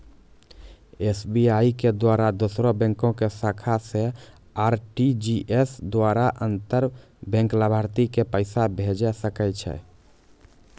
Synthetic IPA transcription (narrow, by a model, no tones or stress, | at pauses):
esbiaiked̪waɾad̪osɾõbɛ̃ŋkõkesakʰase | aɾʈid͡ʒiʔesd̪waɾaʔənt̪əɾ | bɛ̃ŋklabʱəɾt̪ikepəɪsabʱed͡ʒɛsəkɛt͡ʃʰɛ̰